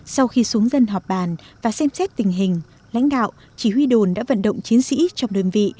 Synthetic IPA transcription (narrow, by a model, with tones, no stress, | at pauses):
sa˧wxi˧su˨˦əŋzə˧nɦɔ˨˩p̚ɓaː˨˩nvaː˨˩sɛ˧msɛ˦˥t̚t̪ï˨˩ŋ̟ɦï˨˩ŋ̟ | la̰˧˥jŋ̟ɗa̰ː˧˨w | t͡ɕi˧˩hwi˧ɗo˨˩nɗa̰ː˧˥və̰˧˨nɗə̰˧˨wŋ͡mt͡ɕi˨˦ənsḭ˧˥t͡ɕɔ˧wŋ͡mɗe˧nvḭ˧˨